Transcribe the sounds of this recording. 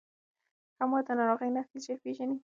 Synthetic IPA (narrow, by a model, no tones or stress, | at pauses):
hamɑd̪ənaɾɔɣajnat̪id͡ʒapeʒani